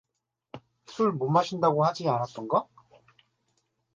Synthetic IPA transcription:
sʰuɭmomaɕʰindaɡohad͡ʑianat͈ʌnɡʌ

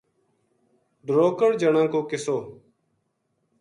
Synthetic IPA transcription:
ɖ̪ɾoːkəɽd͡ʒəɳãːkoːkɪsoː

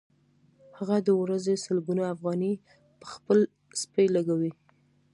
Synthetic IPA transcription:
haɣad̪əwɾazesalbunaafɣɑni | pəxpəl | spəjlaɡawi

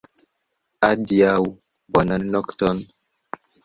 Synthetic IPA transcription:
adiaw | bɔnannɔktɔn

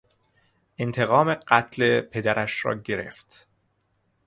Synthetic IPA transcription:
ʔent̪ʰe̞ɣɒːmeɢæt̪ʰlepʰe̞d̪æɾʔæʃɾɒ̰ːɟe̞ɾe̞̰ft̪

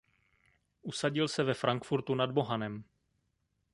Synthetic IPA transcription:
ʔusaɟɪlsɛvɛfɾʔaŋkfuɾt̪unadbo̞ɦanɛm

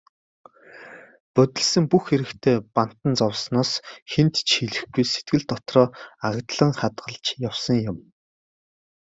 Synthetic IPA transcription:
pœt̪ʲɪ̆ɮsɘ̆mpuxːeɾɘ̆kt̪ʰeːpan̥t̪ə̆nt͡sɔwsnɔːsxent̪t͡ɕxiɮɘ̆xɡujse̥t̪̚ɡɘ̆ɮt̪ɔt̪rɔːaʁt̪ɮə̆ŋχat̪ɢə̆ɮt͡ɕjawsɞ̆ŋjʊ̆m

